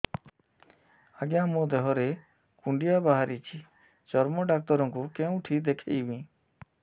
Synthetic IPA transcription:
aɡjãmõd̪eɦɔɾe | kuɳɖijabaɦaɾit͡ʃʰi | t͡ʃɔɾmɔɖak̚t̪ɔɾɔ̃ŋkukeũʈʰid̪ekʰejbĩ

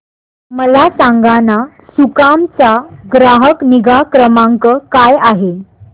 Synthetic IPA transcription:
məlasaŋɡana | sukamt͡saɡɾaɦəkniɡakɾəmaŋkəkajaɦe

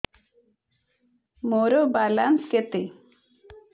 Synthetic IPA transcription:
moɾobalansket̪e

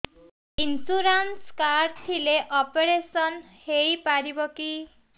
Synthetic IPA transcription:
insuɾanskaɾɖt̪ʰileʔɔpeɾesɔn | heipaɾibɔki

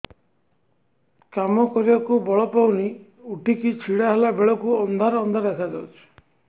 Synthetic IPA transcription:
kamɔkɔɾibakubɔɭɔpawni | uʈikit͡ʃʰiɽaɦelabeɭɔkuɔnd̪ʱaɾɔːnd̪ʱaɾekʰad͡ʒawt͡ʃʰi̥

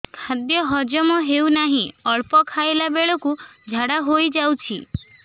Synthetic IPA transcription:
kʰad̪jɔɦɔd͡ʒɔmɔɦewnaɦĩɔɭpɔkʰaelabeɭɔkud͡ʒʱaɽaɦojd͡ʒawt͡ʃʰḭ

